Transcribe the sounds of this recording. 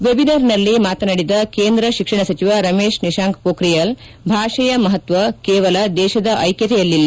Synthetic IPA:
ʋebinɐɾnɐlːimaːt̪ɐnɐɽid̪ɐkeːnd̪ɾɐʃikʂɐɳɐsɐt͡ʃiʋaɾɐmeːʂniʃaːŋkpoːkɾijɐl | bʱaːʂɐjɐmɐɦɐt̪ʋɐkeːʋɐlɐd̪ɛːʃɐd̪ɐʔɐjkjɐt̪ɛjɐlːilːɐ

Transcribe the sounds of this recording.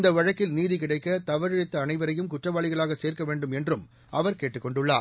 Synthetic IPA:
nd̪ɐʋɐɻɐkːɪlniːðikɪɽɐɪkːɐt̪ɐʋɐɾɪɽɪt̪ːɐːnɐɪʋɐɾɐjɯmkʊʈrɐʋaːɭɪɣɐɭaːɣɐseːrkɐʋeːɳɖɯmɛndrɯm | ɐʋɐɾkeːʈːɯkːɔɳɖɯɭːa̰ː

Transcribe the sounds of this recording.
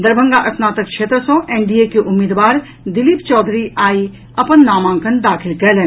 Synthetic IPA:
d̪ɐɾbʱə̃ŋɡaʔɐsnaːt̪ək̚kʃʰeːt̪ɾəsõːʔeːɳɖiekeʔʊmːiːd̪ʋaːɾ | d̪ɪlipt͡ʃɔːd̪ʱɾiʔaːi | ɐpənːaːmãːŋkənd̪aːkʰɪlɡɐlẽ

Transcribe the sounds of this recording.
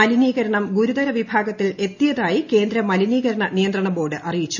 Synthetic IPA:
ɐliniːɣɐɾɐɳɐmɡuɾud̪ɐɾɐʋibʱaːɡɐt̪ːile̞t̪ːijɐðaːjike̞ːnd̪ɾɐmɐliniːɣɐɾɐɳɐnijɐnd̪rɐɳɐbo̞ːɖɨʔɐrijit͡ɕːu

